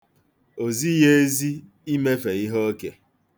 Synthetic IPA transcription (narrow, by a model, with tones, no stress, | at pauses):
o˨zi˦je˦zi˦ | i˦me˦fe˨i˦ɦɔ˦ke˨